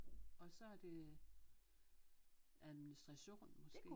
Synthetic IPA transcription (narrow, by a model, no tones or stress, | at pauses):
ɒ̽sɒ̽æɐd̥e̝ | ʔæðˠminisd̥ʁɑɕo̝̰ːnmɒsɡ̥e̝ː